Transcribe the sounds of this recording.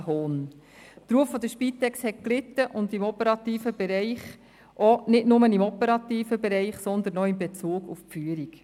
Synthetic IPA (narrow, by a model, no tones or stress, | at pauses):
ɦoːn | t̪ɾuəfːɔd̪əʃpit̪ːɛkshɛt̚klɪt̪ːəʔʊnd̪imɔpəɾɑt̪iːfəbeɾɛɪχ | ʔɔnɪdnʊmənimɔpəɾɑt̪iːfəbeɾɛɪχsɔnd̪ənɔɪmbet͡suːɡufpfyəɾik